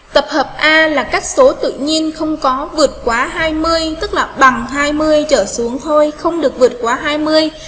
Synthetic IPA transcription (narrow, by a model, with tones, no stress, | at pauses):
t̪ə˨˩p̚həː˨˩p̚ʔaː˧laː˨˩kaː˦˥jk̟̚so˨˦t̪ɨ̰˧˨ɲi˧ənxə˧wŋ͡mkɔ˨˦vɨ˨˩ət̚kwaː˨˦ɦaː˧jmɨ˧əjt̪ɨ˦˥k̚laː˨˩ɓa˨˩ŋɦaː˧jmɨ˧əjt͡ɕəː˧˩su˨˦əŋɦo˧jxə˧wŋ͡mɗɨ˨˩ək̚vɨ˨˩ət̚kwaː˨˦ɦaː˧jmɨ˧əj